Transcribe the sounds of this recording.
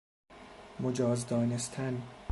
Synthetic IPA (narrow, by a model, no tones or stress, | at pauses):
mod͡ʒɒːzd̪ɒːnest̪ʰæn